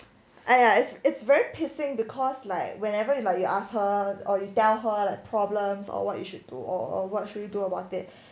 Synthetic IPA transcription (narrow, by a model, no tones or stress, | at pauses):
ʔajaɪtsɪtsvɛɹipʰisɪ̃ŋbikʰɔslaɪkwɛ̃nɛvəjulaɪk̚juʔashəɔjutɛlɦəlaɪk̚pʰɹɔblə̃msɔ̰wɔ̰t̚jṵʃud̚dṵʔɔ̰wɔt̚ʃudjuduəbaʊtɪt̚